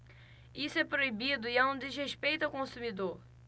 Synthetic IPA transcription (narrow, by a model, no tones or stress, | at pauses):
isʊɛpɾoibid̪ʊiɛũd̪ɪzɦeʃpejt̪ɐwkõsumid̪oɾ